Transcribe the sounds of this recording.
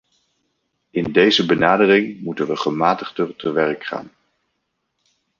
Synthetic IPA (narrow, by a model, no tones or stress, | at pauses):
ɪndejzəbənaːdərɪŋmutənʋəχəmaːtəχdərtəʋɛrkχa̰ːn